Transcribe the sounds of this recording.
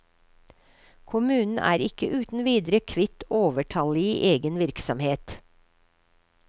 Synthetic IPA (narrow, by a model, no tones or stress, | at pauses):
kʰʊmʉːnn̩æ̰ːɾɪkəʔʉːt̪n̩ʋiːd̪ɾəkʰʋɪt̪oːʋəʈʰɑliːʔeːɡənʋɪɾksɔmheːt̪